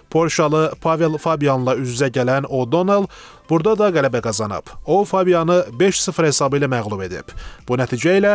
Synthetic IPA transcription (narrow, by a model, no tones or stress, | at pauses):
pʰo̞ɾʃɑlˠɯpʰɑvelˠfɑbijonlˠɑyzyzæɟælæno̞d̪o̞nelˠ | b̥uɾd̪ɑd̪ɑɡælæbæɡɑzɑnɯ̰b̥o̞fɑbijɑnɯbeʃsɯfɯɾhe̞sɑbɯijlæmæɣlˠube̞d̪ḭb̥b̥unæt̪ʰiːd͡ʒæilæ